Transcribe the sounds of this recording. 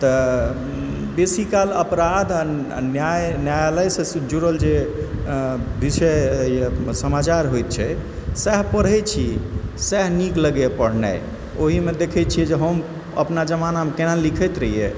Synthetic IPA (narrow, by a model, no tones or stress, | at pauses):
t̪ə | besikaləpɾad̪ʱa̰ | njajnjajaləjsẽd͡ʒuɾəld͡ʒe | bisə | səmat͡ʃaɾɦojt̪̚t͡ʃʰɛ | sɛɦpəɽɛt͡ʃʰisɛɦnikləɡepəɽ̤nɛ̰j | oɦimed̪ekʰɛt̪̚t͡ʃʰiɛd͡ʒeɦəm | ə̰pnad͡ʒəmanamekenalikʰɛjt̪ɾəɦije